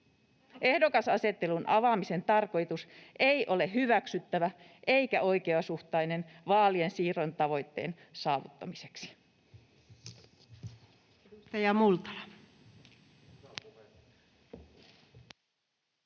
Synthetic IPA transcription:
ehdo̞kɑsɑse̞t̪ːe̞lunʔɑʋɑmise̞nt̪ɑrko̞jt̪usʔeiʔo̞le̞ɦhyʋæksyt̪ːæʋæ | ʔe̞jkæʔo̞jkeɑsuht̪ɑjne̞nʋɑːliensiːront̪ɑʋo̞jt̪ːe̞̰ːn | sɑːʋṵt̪ːɑmise̞ksi̥ | t̪ɑjɑmult̪ɑ̥

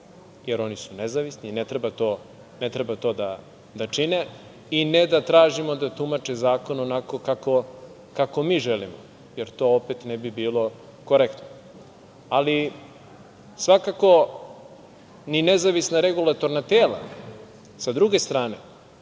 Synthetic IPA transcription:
jeɾo̞nisunezaʋisninet̪ɾebat̪o̞ | net̪ɾebat̪o̞ːd̪a | d̪at͡ʂine | ined̪at̪ɾaːʒimo̞d̪at̪umat͡ʃezaːko̞nonako̞kako̞ | kako̞miːʒelimo̰ | jeɾt̪o̞opet̪nebibiːlo̞ | koɾekt̪no | ali | sʋakako̞ | ninezaʋisnaɾeɡulat̪o̞ɾnat̪eːla̰ | sad̪ɾuɡe̞st̪ɾaːne̞

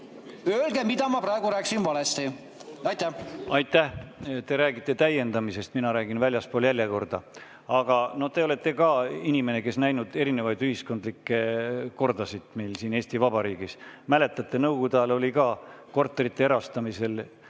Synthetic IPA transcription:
øːlɡemid̪̥ɑmɑpɾɑeɡuɾæːkːˑsinvɑlest̪i | ɑjt̪ːæɑjt̪ːˑæht̪e̞ɾæːɡ̥it̪ˑːe̞t̪æje̞nd̪ɑmise̞st̪minɑɾæːɡ̥invælʲjɑspoːljælʲjɑko̞rd̪̥ɑ̰ | ɑɡ̥ɑno̞ht̪e̞o̞le̞t̪ːˑe̞kɑinʲime̞ne̞ke̞snæjnud̪̥e̞ɾine̞vɑjd̪yhisko̞nd̪likːe̞ko̞rd̪̥ɑsid̪̥ˑmejlsiːne̞ːst̪ivɑbɑɾiːɡ̥ismæle̞t̪ːˑɑt̪ˑːe̞nɤwɡud̪ɑlo̞lʲikɑːko̞rt̪ːˑeɾit̪ːeeɾɑst̪ɑmise̞l

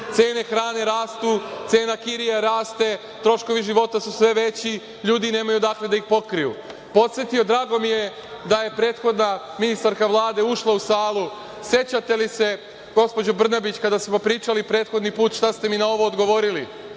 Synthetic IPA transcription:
t̪se̞ːne̞xɾaːne̞ɾaːst̪ut̪se̞ːnakiɾijaɾaːst̪e̞ | t̪ɾo̞ʃko̞ʋiʒiʋo̞t̪asusʋe̞ʋe̞t͡ɕi | ʎuːd̪ine̞ːmajud̪akle̞d̪aixpo̞kɾijṵ | po̞t̪sʲjet̪io̞d̪ɾaːɡo̞mije̞ | d̪aje̞pɾe̞ːt̪xo̞d̪naminist̪aɾkaʋlˠaːd̪e̞uʃlˠausaːlˠu | sje̞t͡ɕat̪e̞lise̞ | ɡo̞spo̞d͡ʑo̞br̩nabit͡ɕkad̪asmopɾiːt͡ʃalipɾe̞ːt̪xo̞d̪nipuːt̪ʃt̪ast̪e̞minao̞ʋo̞ːd̪ɡo̞ʋo̞ɾili

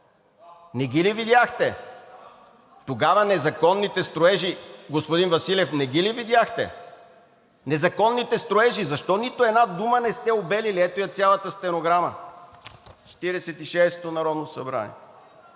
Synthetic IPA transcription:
nɛɡʲilivid̪ʲjaxt̪ɛ | t̪oɡavɐnɛzɐkɔnːit̪ɛst̪ɾoɛʒiɡospod̪invɐsilʲɛfnɛɡʲilivid̪ʲjaxt̪ɛ̰ | nɛzɐkɔnːit̪ɛst̪ɾoɛʒizɐʃt̪ɔnit̪oɛd̪nad̪umənɛst̪ɛobɛliliɛt̪ojɐt̪sʲjalˠɐt̪əst̪ɛnoɡɾamə | t͡ʃɛ̥t̪iɾɛsɛt̪iʃɛst̪onɐɾɔd̪nosɐ̰bɾa̰nḭɛ

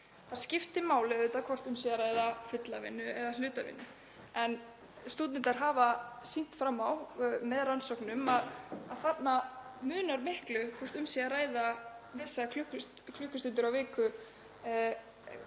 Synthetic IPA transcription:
θaɾ̥scɪft̪ɪmaːwlɪðʏːt̪akʰvɔr̥t̪ʏmsiːaɾaːjðafʏt̪lavɪ̰nːʏɛðalʏːt̪avɪ̰nːʏ | ɛn | st̪uːt̪nɪnt̪aɾ̥ɦaːvasin̥t̪fɾamːawmɛðransɔwknʏmaðaðθat̪namʏːnaɾmɪhklʏkʰvɔr̥t̪ʏmsiaɾaːjðavɪsakʰlʏks | kʰlʏhkːʏst̪ʏnt̪ʏɾawvɪːkʏ

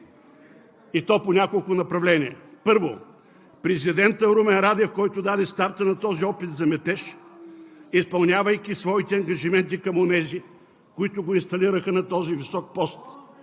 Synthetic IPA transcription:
it̪ɔponʲakolˠkʊnɐpɾɐvlɛnʲiɛ̰pɤɾvo̰ | pɾɛzid̪ɛnt̪əɾumɛnɾad̪ɛfkɔjt̪ʊd̪ad̪ɛst̪aɾt̪ənɐt̪ɔziɔpit̪zɐmɛt̪ɛʃ | ispɐlˠnʲavəjk̟isvɔit̪ɛɐŋɡɐʒimɛnt̪̬ikɐmonɛzi | kʊit̪ʊɡoinst̪ɐliɾəxənɐt̪ɔzivisɔk̚pɔst̪

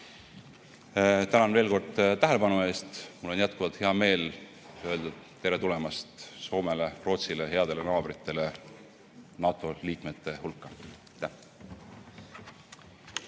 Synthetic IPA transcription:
t̪ænɑnve̞ːlko̞rd̪̥t̪ːæɦele̞b̥ɑnue̞ːst̪mulːo̞njæt̪̚kuvɑt̪he̞ɑme̞ːl | ø̞ːld̪ɑt̪ːeɾet̪ule̞mɑst̪so̞ːme̞lero̞ːt̪sileɦe̞ɑd̪e̞lenɑːb̥ɾit̪ːˑe̞le̞ | nɑːt̪ːˑo̞liːkme̞t̪ːˑe̞hulkːˑɑɑjt̪ːæh

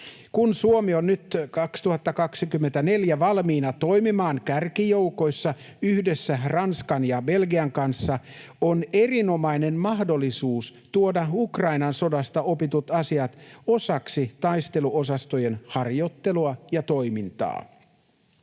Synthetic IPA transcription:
kunsuomionːyt̪kɑkst̪uhɑt̪ːɑkɑksikymːent̪æne̞ljæʋɑlmiːnɑt̪ojmimɑːŋkærkijo̞wko̞jsːɑ | yhdesːærɑnskɑnjɑbe̞lɡiɑŋkɑnsːɑ | onerino̞mɑjne̞nmɑɦdo̞lːisuːst̪uodɑukrɑinɑnso̞dɑst̪ɑo̞pit̪ut̪ɑsiɑt̪o̞sɑksit̪ɑjst̪e̞luʔo̞sɑst̪ojenhɑrjo̞t̪ːe̞luɑjɑt̪o̞imint̪ɑ̰ː

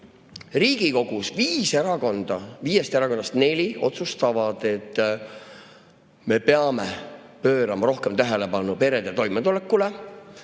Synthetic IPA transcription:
riːɡ̥iko̞ɡ̥usviːseɾɑɡond̪̥ɑviːjest̪eɾɑko̞nːɑst̪ne̞lʲio̞̰t̪sust̪ɑvɑd̪̥e̞t̪ː | me̞pe̞ɑmepø̞ːɾɑmɑɾo̞hkemt̪æɦele̞pɑnupe̞ɾed̪et̪o̞jmet̪ole̞kːule

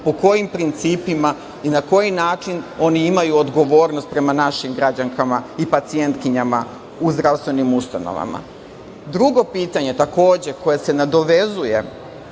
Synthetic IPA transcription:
po̞ko̞jimpɾint̪siːpima | inako̞jinaːt͡ʃino̞niimajuod̪ɡo̞ʋo̞ːɾno̞st̪̚pɾe̞manaʃimɡɾad͡ʑaŋkʰamaipat̪sie̞nt̪kiɲama | uzd̪ɾaʋst̪ʋe̞nimust̪a̰no̰ʋa̰ma̰ | d̪ɾuɡo̞piːt̪aɲe̞t̪ako̞ːd͡ʑe̞ko̞jese̞nad̪o̞ʋe̞zuje̞

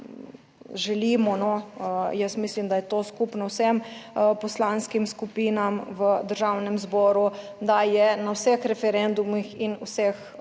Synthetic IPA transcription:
ʒɛliːmɔnɔjəsmislimd̪ajɛt̪oːskupnɔwsɛmpɔslanskimskupiːnamʋəd̪əɾʒawnɛmzbɔːɾud̪ajɛnawsɛxɾɛfɛɾɛnd̪umixinwsɛx

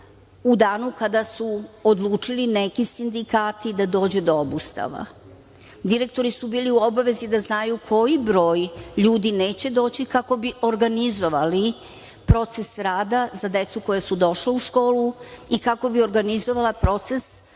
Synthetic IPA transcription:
ud̪aːnukad̪asuod̪lˠuːt͡ʂilinekisind̪ikaːt̪id̪ad̪o̞ːd͡ʑed̪oobust̪a̰ʋa̰ | d̪iɾe̞k̚t̪o̞ɾisubiːliuo̞baʋe̞zid̪aznajukʰo̞jibɾo̞ːjʎuːd̪ine̞ːt͡ɕe̞d̪o̞ːt͡ɕikako̞biʔo̞ɾɡanizo̞ʋali | pɾo̞t̪se̞sɾaːd̪azad̪e̞t̪suko̞jasud̪o̞ʃleuʃko̞ːluikako̞bio̞ɾɡanizo̞ʋalapɾo̞t̪ses

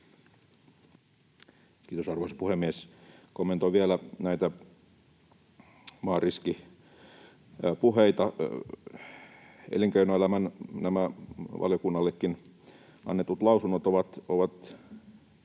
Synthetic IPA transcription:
kiːt̪osɑrʋoˑisɑ̥puhemːieskomːent̪oʋiælænæit̪æ | mɑːriski | puheit̪ɑ | ḛliŋkeinoelæmænnæmæʋʔɑ̰ljokunːɑlːekːin | ɑ̰nːet̪ut̪lɑusunːot̪oʋɑt̪oʋɑt̪

